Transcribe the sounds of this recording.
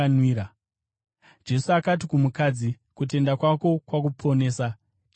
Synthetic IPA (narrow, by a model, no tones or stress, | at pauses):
nwiːɾa | d͡ʒe̞suakat̬ikumukad͡zi | kute̞ndakwako̞kwak̬upʰo̞ne̞ːsa